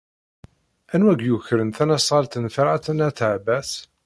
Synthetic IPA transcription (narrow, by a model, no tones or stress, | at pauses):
ænwæɡjuçɾənθænæsˤɑlt̪ənfəɾˤaθənæθʕbæθ